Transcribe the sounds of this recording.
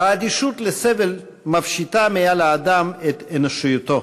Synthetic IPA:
aːd̪iʃut̪lesevel | mafʃit̪amealaːd̪amet̪enoʃijut̪o

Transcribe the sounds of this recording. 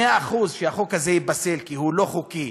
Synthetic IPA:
eaːχuzʃeaχokhazejibase̞lkihulo̞χuki

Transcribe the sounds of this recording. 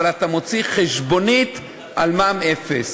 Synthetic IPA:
alat̪amo̞t͡siχeʃbo̞nit̪ | ʔalmamefes

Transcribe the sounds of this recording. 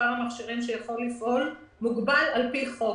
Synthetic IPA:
aʁmaχʃiʁimʃejaχo̞lːifʔo̞l | muɡbalalpiχo

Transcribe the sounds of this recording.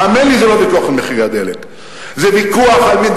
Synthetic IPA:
amenlizelovikuaχalmeχiɡad̪elḛk | zevikuaχalmind̪

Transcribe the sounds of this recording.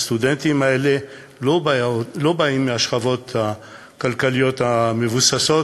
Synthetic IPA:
st̪ud̪ent̪imaele̞ | olo̞baimːeaʃχavo̞t̪a | kalkalijo̞t̪amevusaso̞

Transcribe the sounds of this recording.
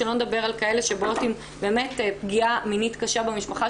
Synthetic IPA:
elo̞ned̪abe̞ʁalkae̞le̞ʃebootim | be̞ːme̞tpɡiaminitkaʃabemiʃpaχa

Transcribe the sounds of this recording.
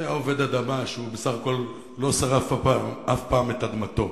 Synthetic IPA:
jaove̞d̪ad̪amaʃeubesaχako̞lː | o̞saʁafaafpaːmet̪ad̪mat̪o̞

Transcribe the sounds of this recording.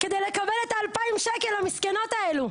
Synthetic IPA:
ked̪ejlekabelet̪aːlpaimʃekelhamiskeno̞t̪aelu

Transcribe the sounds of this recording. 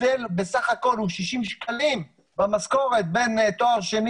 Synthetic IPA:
elbesaχako̞lhuʃiʃimʃkʰalim | bamasko̞ʁet̪̚bent̪oaʁʃen

